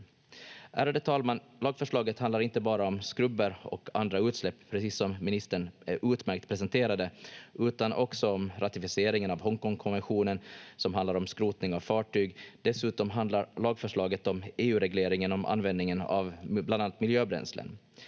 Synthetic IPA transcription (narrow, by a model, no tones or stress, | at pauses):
ʔæ̰ːɾand̪ət̪ʰɑːlman | lɑːɡfœʂɭɑːɡət̪hand̪laɾɪnt̪əbɑːɾaɔmskɾɵbːəɾɔkʰa̰nd̪ɾaʉ̟ːt̪slɛpːʰɾɛsiːsːɔmːɪnɪst̪əɳæɾʔʉːt̪mæɾk̚t̪pʰɾɛsɛnt̪ʰeːɾad̪əʔʉ̟ːt̪anʔɔ̰ksɔɔmɾʔat̪ɪfɪseːɾɪŋənavɦɔŋkɔŋkʰɔnvɛnɧuːnənsɔmɦand̪aɾɔmskɾuːt̪nɪŋavfɑːʈyːɡd̪̥ɛsʉ̟ːt̪ɔmɦand̪laɾɭɑːɡfœʂɭɑːɡət̪ɔmeːʉ̟ːɾɛɡleːɾɪŋənɔmʔa̰nvɛnd̪nɪŋəna̰vblananat̪mɪljøːbɾɛ̰nslə̰n